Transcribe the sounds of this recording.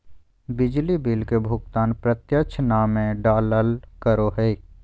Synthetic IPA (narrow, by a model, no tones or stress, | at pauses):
bɪd͡ʒlibɪlkebʱʊɡt̪aːnpɾət̪jət͡ʃʰnaːmẽɖaːləlkəɾoɦɛi